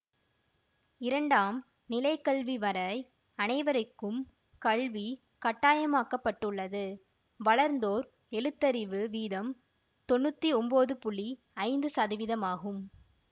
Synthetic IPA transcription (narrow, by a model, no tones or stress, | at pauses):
ɪɾɐɳɖaːm | nɪlɐɪkɐɭʋiʋɐɾɐɪ | ɐnɐɪʋɐɾɐɪkːɯm | kɐɭʋi | kɐʈːaːjɐmaːkɐpːɐʈːɯɭːɐðɯ | ʋɐɭɐɾnd̪oːɾ | ɛɻɯt̪ːɐɾɪʋɯʋiːðɐm | t̪ɔnːɯt̪ːiɔmboːðɯpʊɭi | ɐɪnd̪ɯsɐðɪʋɪðɐmaːɣɯm